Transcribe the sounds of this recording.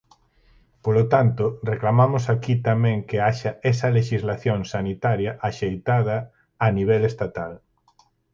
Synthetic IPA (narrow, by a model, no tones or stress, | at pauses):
polot̪ant̪oreklamamosakit̪amɛ̃ŋkeaʃaɛsɐleʃizlaθjoŋsanit̪aɾjɐʔaʃejt̪aðɐː | niβ̞ɛlest̪at̪al